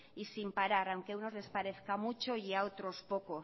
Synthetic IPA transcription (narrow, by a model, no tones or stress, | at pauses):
isimpaɾaɾawŋkeuno̞zle̞spaɾe̞θkamut͡ʃo̞iaot̪ɾo̞spo̞ko̞